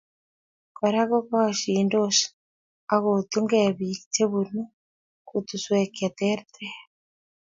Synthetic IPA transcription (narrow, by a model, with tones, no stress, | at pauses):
ka˨ɾa˦ɣo˦ka˦a˨ʃiːndoʃḁ | a˨ɣot̪u˦ŋɡeβite˦βunu˦ | kut̪u˨swe˨ke˨t̪e˦ɾt̪e